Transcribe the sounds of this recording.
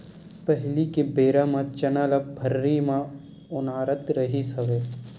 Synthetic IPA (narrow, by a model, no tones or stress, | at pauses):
pəɦlikebeːɾãmãt͡ʃɐnələbʱəɾːimã | ʊnaːɾət̪ɾəɦisəʋeː